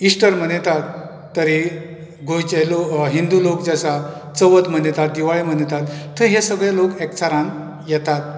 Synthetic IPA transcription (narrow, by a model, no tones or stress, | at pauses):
isʈəɾm̤ənet̪at̪ː | əɾi | ɡʱojt͡ɕeloɦind̪ulokd͡ʑasa | t͡səʋət̪m̤ənet̪at̪̚d̪iʋaɭim̤ənet̪at̪ːəɦesəɡɭjalokekt͡saɾãn | jɛt̪at̪̚